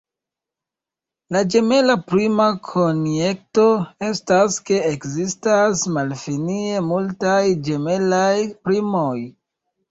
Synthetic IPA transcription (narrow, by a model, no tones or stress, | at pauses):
lad͡ʒe̞me̞lapɾimakʰonje̞k̚to̞e̞staske̞ekzistasmalfinie̞multajd͡ʒe̞me̞lajpɾimo̞j